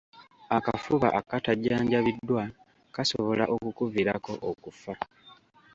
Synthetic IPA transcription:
akafuβa̰ʔakataɟaːɲɟaβidːwa | kasoβo̞laʔokukuviɾako̞ʔokufa

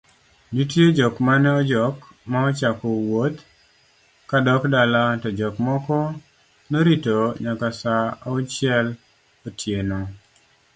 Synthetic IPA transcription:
ditjed͡ʒɔkmanɛɔd͡ʒɔk | maɔt͡ʃakɔwot̪ | kadɔkdalatɔd͡ʒɔkmɔkɔ | noɾitoɲakasaaut͡ʃɪɛl | otʰjenɔ

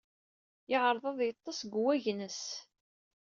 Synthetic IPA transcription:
jɪʁəɾˤðˤɑðˤjət̪ˤːɑsɡʷwæʝnəs

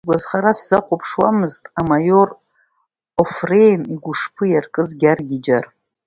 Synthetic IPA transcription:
ɡʷazχaɾasz̥aχʷupʰʂwamɨztʼamajo̞r | ofrejniɡʷʊʂpʰɨjarkʼɨzɡʲarɡʲɪd͡ʒar

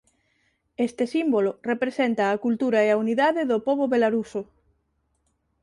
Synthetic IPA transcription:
est̪esimbolorepɾesent̪aːkult̪uɾaeauniðaðeðopoβoβelaɾuso

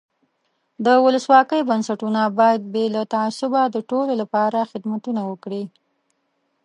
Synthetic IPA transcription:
d̪əwʊləswɑkəjbansaʈunabɑjad̪̚belat̪aasʊbad̪əʈololapɑɾaxɪd̪mat̪unawəkɽi

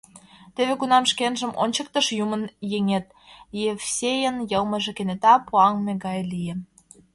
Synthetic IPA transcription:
t̪eβekunɑmʃkenʒə̆mʔo̰nʲt͡ɕə̆k̚t̪əʃjumənjeŋet̪̚jefsʲejənjɤlˠmə̆ʒĕkenet̪ɑpuɑŋmeɡɑjlije

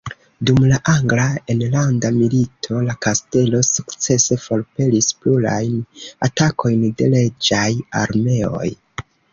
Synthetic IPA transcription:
dumlaʔaŋɡlaenlandamilitʰo̞lakaste̞lo̞sukt͡se̞se̞fo̞lpe̞lispluɾa̰jnatakʰo̞jnde̞le̞d͡ʒajaɾme̞o̞̰j

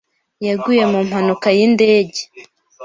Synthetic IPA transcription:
jaɡuje̞mum̥hanukajinde̞ːɟe

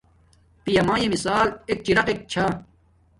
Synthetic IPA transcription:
pijɐmãːjemisaːlek̚t͡ɕiɾɐqek̚t͡ɕʰa

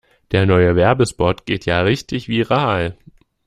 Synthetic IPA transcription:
d̥eːɐnɔʏəvɛɐbəspɔtɡ̥eːtʰjaːʁɪçtɪçv̥iːʁaːl

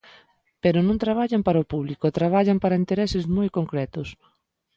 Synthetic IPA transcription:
peɾʊnõŋt̪ɾaβ̞aʎampaɾaopuβlikʊt̪ɾaβ̞aʎampaɾaint̪eɾɛsɪzmojkoŋkɾɛt̪ʊs

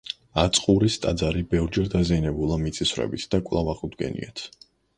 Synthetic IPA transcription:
at̪sʼqʼuɾist̪ʼad̪zaɾibɛvɾd͡ʒɛɾd̪azianɛbulˠamit̪sʼisvɾɛ̰bit̪ʰd̪̥akʼwlˠavaχʼud̪ɡɛ̰nḭat̪ʰ

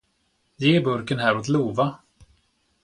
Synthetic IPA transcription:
jeːbɵɾkənɦæːɾot̪luːva

